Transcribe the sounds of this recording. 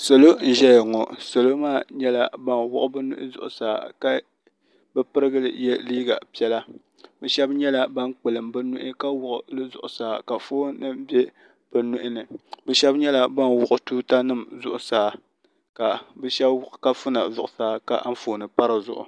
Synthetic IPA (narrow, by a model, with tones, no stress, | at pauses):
sa˨lo˦n̩˦ʒɛ˦jŋɔ˨sa˨lo˦maː˦˨ɲɛ˦la˦ba˦nwʊ˦ʔʊ˦bɛ˦nʊ˦ʔɪ̰˦zʊ̰˨ʔʊ̰˨saː˨˦ka˦ | bɛ˦pɨ˦ɾɨ˦ɡɨ˦lɨ̰˨jɛ˦liː˦ɡa˨pi˦ɛ˦la˦ | bɛ˨ʃɛ˦bɲɛ˦la˦ba˦nk͡pɨ˨lɨ˨mbɨ˦nʊ˦ʔɪ˦ka˦wʊ˨ʔʊ̰˨lɨ˦zʊ̰˨ʔʊ˨saː˨˦ka˨foː˦nɨ˦mbjɛ˦ | b̥ɨ˨nu˦ʔɪ˦nɨ˨bɛ˨˦ʃɛ˦bɲɛ˦la˦˨ba˦nwʊ˦˨ʔʊ˦tuː˦ta˦nɨ˦mzʊ˦ʔʊ˨saː˦ | ka˨bɛ˦ʃɛ˦bka˦fu˦na˨zʊ˨ʔʊ˨saː˨˦ka̰˦ʔɱ̩˦foː˨nɨ˨pa˦ɾɨ˨zʊ˨ʔʊ̰˨